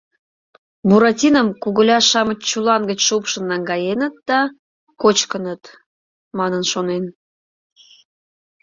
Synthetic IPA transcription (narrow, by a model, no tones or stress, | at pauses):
buɾɑtʲinəmkuɣəlʲɑʃɑmət͡ɕt͡ɕulɑnɡət͡ɕʃupʃənːɑŋɡɑjenət̪̚d̪ɑ | kot͡ɕkənət̪ | mɑnənʃonen